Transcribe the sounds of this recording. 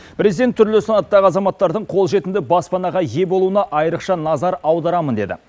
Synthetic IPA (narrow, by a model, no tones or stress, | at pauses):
pʰɾezid̪e̞nt̪ʰːʏɾlesɪnɑt̪ːɑʁəɑzɑmɑt̪ːɑɾd̪əɴqʰo̞lˠʒe̞t̪ɪnd̪ɪbɑspɑnɑʁɑje̞bo̞lˠuənɑʔɑjəɾəqʃɑnɑzɑɾɑwd̪ɑɾɑmənd̪e̞d̪ɪ̰